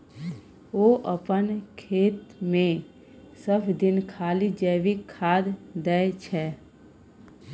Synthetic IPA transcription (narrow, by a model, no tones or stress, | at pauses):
oːʔəpənkʰeːt̪mẽ | səbʰd̪ɪnkʰaːlid͡ʒəːʋikʰːaːd̪d̪ɛet͡ʃʰɛː